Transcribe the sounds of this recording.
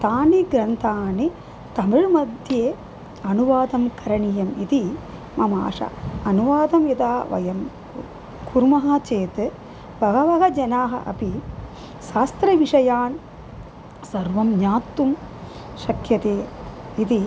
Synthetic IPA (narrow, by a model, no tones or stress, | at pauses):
t̪aːniɡɾɐnt̪ʰaːni | t̪ɐmiɻmɐd̪ʱjeː | ɐnuʋaːd̪ɐmkɐɾɐɳijɐmit̪i | mɐma̰ːʂɐ̰ɐnuʋaːd̪ɐmid̪aːʋɐ̰jɐm | kuɾmɐɦɐt͡ʃeːt̪ɨ | ʋɐɦɐʋɐɦɐd͡ʒɐnaːɦɐ̰ʔɐ̰pi | ʃaːst̪ɾɐʋiʂɐjaːn | sɐɾʋɐmɲaːt̪ːum | ʃɐkʰjɐt̪eː | it̪i